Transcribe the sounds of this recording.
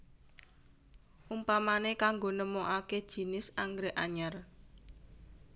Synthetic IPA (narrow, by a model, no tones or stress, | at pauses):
ʔumpamanekaŋɡonəmɔʔaked̥ʒ̥i̤nɪsaŋɡɾeʔaɲar